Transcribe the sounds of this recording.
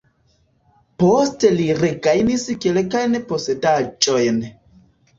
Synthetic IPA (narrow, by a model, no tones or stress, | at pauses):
po̞ste̞liɾeɡajniskelkajnpose̞dad͡ʒo̞jn